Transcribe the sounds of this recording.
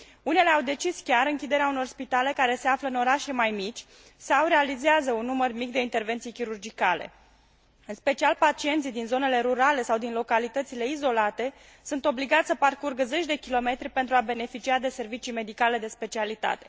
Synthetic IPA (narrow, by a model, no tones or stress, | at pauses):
une̞le̞awd̪e̞t͡ʃiskʲaɾɨŋkʲid̪e̞ɾeauno̞rspit̪ale̞kaɾe̞se̞afləɨno̞ɾaʃemajmit͡ʃʲ | sawre̞alizeazəunːumərmikd̪e̞int̪e̞rve̞nt̪sijkʲiɾurd͡ʒikale̞̰ | ɨnspe̞t͡ʃialpat͡ʃie̞nt̪sijd̪inzo̞ne̞le̞ɾuɾale̞sawd̪inlo̞kalit̪ət̪sile̞izo̞lat̪e̞ | sunt̪o̞bliɡat̪ʲsəparkurɡəze̞t͡ʃʲd̪e̞kʲilo̞me̞t̪ɾʲipe̞nt̪ɾuabe̞ne̞fit͡ʃiad̪e̞se̞rvit͡ʃijme̞d̪ikale̞d̪e̞spe̞t͡ʃialit̪a̰t̪e̞̥